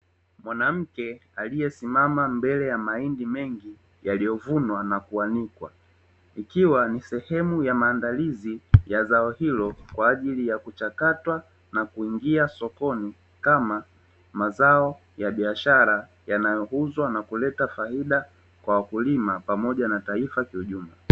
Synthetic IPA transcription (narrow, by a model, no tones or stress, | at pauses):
mwanam̩kɛalijɛsimamambɛlɛjamaindimɛŋɡi | jalijɔvunwanakuanikwa | ikiwanisɛhɛmujamaːndalizijazaɔhilɔkwaːʄilijakut͡ʃakatwa | nakuiŋɡiasɔkɔni | kama | mazaɔ | jaɓiaʃaɾa | janajɔhuzwanakulɛtafaiɗa | kwawakulimapamɔʄanataifakiuʄumla